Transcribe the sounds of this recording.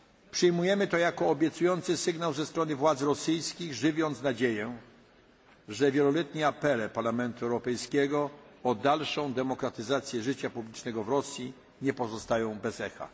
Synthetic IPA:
pʂɘjmujɛmɘt̪ɔjakɔːbʲjɛt̪sujɔnt̪sɘsɘɡnawzɛst̪ɾɔnɘvwad̪zɾɔsɘjskʲiɣʐɘvʲjɔnt̪snad͡ʑejɛ | ʐɛvʲjɛlɔlɛt̪ɲɛapɛlɛpaɾlamɛnt̪uɛwɾɔpɛjskʲɛɡɔɔd̪alʂɔ̃w̃d̪ɛmɔkɾat̪ɘzat̪sʲjɛʐɘt͡ɕapublʲit͡ʂnɛɡɔvɾɔsʲji | ɲɛpɔzɔst̪ajɔ̃w̃bɛzɛxa̰

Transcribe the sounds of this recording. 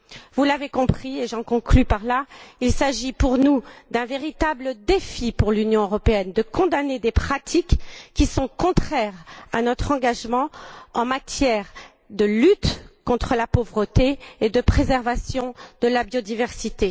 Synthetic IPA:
vulavekɔ̃pχieʒɑ̃kɔ̃klypaʁlailsaʒipuʁnud̪ɛ̃veʁit̪abləd̪efipuʁlynjɔ̃øʁɔpeɛnd̪əkɔ̃d̪aned̪epχat̪ʰikːisɔ̃kɔ̃t̪χɛʁanɔt̪χɑ̃ɡaʒmɑ̃ɑ̃mat̪jɛʁ | d̪əlyt̪kɔ̃t̪χəlapovʁət̪eːd̪əpχezɛʁvasjɔ̃d̪̥əlabjod̪ivɛʁsit̪e

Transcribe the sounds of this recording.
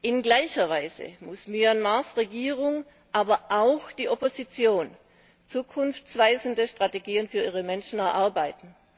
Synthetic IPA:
ʔɪnɡlaɪçɐvaɪzə̰mʊsmyanmaɐsʁeɡiːʁʊŋ | ʔaːbɐʔaʊxd̥iːʔopozit͡sjoːn | t͡suːkʰʊnft͡sv̥aɪzn̩dəʃtʁ̥ateɡiːənfyːɐiːʁəmɛnʃn̩ɛɐʔaɐbaɪtn̩

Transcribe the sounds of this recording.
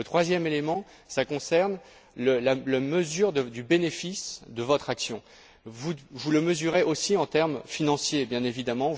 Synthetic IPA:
ət̪χwazjɛmelemɑ̃ | sakɔ̃sɛʁn | ləlalaməzyʁd̪əd̪ybenefisd̪əvɔt̪χaksjɔ̃ | vuvuləməzyʁeʔosiɑ̃t̪ɛʁmfinɑ̃sjebjɛ̃nevid̪amɑ̃

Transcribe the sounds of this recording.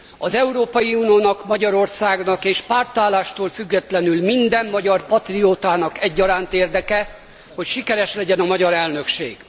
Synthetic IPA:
ɒzɛuɾoːpɒjiunioːnɒkmɒɟɒɾo̞rsaːɡnɒkeːʃpaːrt̪aːlːaːʃt̪oːlfyɡːɛt̪lɛnylmind̪ɛmːɒɟɒrpɒt̪rioːt̪aːnɒkɛɟːɒɾaːnt̪eːrd̪ɛkɛ | ho̞cʃikɛɾɛʃlɛɟɛnɒmɒɟɒɾɛlnø̞kʃḛːɡ̥

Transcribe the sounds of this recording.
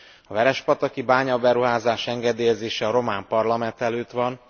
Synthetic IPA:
ɒvɛɾɛʃpɒt̪ɒkibaːɲɒbɛɾuɦaːzaːʃɛŋɡɛd̪eːjɛzeːʃɛɒɾo̞maːmpɒrlɒmɛnt̪ɛløːt̪ʋɒn

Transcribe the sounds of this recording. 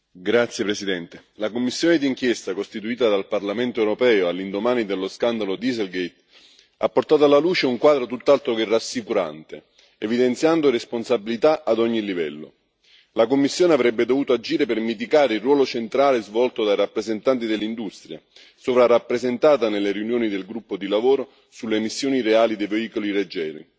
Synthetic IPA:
ɡɾat̪sːjepɾesid̪ɛnt̪elakomːisːjoːned̪iŋk̟jɛst̪akost̪it̪uiːt̪ad̪alparlament̪oɛwɾopɛːoalːind̪omaːnid̪elːoskand̪alod̪izelɡejt̪ | a̰pːort̪aːt̪oalːaluːt͡ʃeuŋkwaːd̪ɾot̪ut̪ːalt̪ɾokerasːikuɾa̰nt̪e | evid̪ent̪sjand̪oɾesponsabilit̪aʔad̪ɔɲːilivɛlːo̰ | lakomːisːjoːneavɾɛbːed̪ovuːt̪oad͡ʒiːɾepermit̪̬ikaːɾeilrːwɔːlot͡ʃent̪ɾaːlezvɔlt̪od̪ajɾapːɾezent̪ant̪̬id̪elːind̪ust̪ɾja̰ | sovɾarapːɾezent̪aːt̪anelːeɾjunjoːnid̪elɡɾupːod̪ilavoːɾo | sulːemisːjoːniɾeaːlid̪ejveiːkoliɾed͡ʒːɛːɾḭ

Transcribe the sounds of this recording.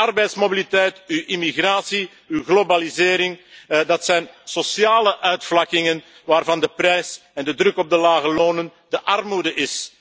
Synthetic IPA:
ɑrbɛjtsmobilitɛjtyʔimiɣraːsi | yɣlobalizɪːɾɪŋdɑtsɛjnsosjaːləʔœɥtflɑkɪŋən | ʋaːrvɑndəprɛjsɛndədɾɵkɔb̚dəlaːɣəloːnəndəʔɑrmudəʔɪs

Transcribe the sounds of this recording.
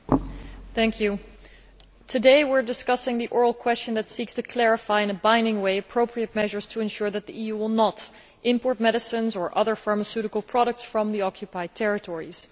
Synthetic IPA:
θæ̃ŋkʰjʉ | tʰɨdeɪwɪɹdɨskʌsɪ̃ŋðiʔɔɹl̩ˠkʰw̥ɛst͡ʃɨ̃nðɨtsikstʰɨkʰl̥ɛɹɨfaɪɨ̃nɨbãɪ̃ndɪ̃ŋweɪɨpʰɹ̥oʊpʰɹiɨt̚mɛʒə˞z̥tʰəɨ̃nʃʊɹðɨt̪̚ðiijuwɪlˠnəɾ | ʔɪ̃mpɔɹt̚mɛɾɨsɨ̃nzə˞ʔʌðə˞fɑɹməsʉɾɨkl̩ˠpʰɹ̥ɑɾək̚tsfɹʌ̃mðiɑkʰjɨpaɪd̚tʰɛɹɨtʰɔɹḭz̥

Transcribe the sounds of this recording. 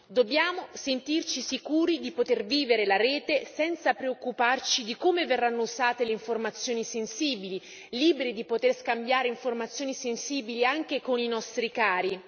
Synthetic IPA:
d̪obːjaːmosent̪irt͡ʃisikuːɾid̪ipot̪erviːveɾelaɾɛːt̪esɛnt̪sapɾeokːupart͡ʃid̪ikoːmeverːanːouzaːt̪eleiɱformat̪sːjoːnisensiːbili | liːbeɾid̪ipot̪erskambjaːɾeiɱformat̪sjoːnisensiːbiliaŋk̟ekoninɔst̪ɾikaːɾi

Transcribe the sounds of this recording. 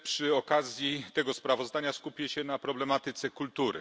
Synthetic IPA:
pʂɘɔkazʲjit̪ɛɡɔspɾavɔzd̪aɲaskupʲjɛɕɛnapɾɔblɛmat̪ɘt̪sɛkult̪uɾɘ̰

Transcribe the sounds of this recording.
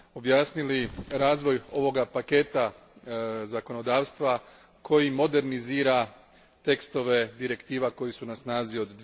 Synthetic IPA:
o̞bjaːsniliɾaːzʋo̞jo̞ʋo̞ɡapake̞ːt̪a | zako̞no̞d̪aːʋst̪ʋa | kʰo̞jimo̞d̪e̞ɾniziːɾa | t̪e̞kst̪o̞ʋe̞d̪iɾe̞kt̪iːʋako̞jisunasnaːzio̞d̪ː

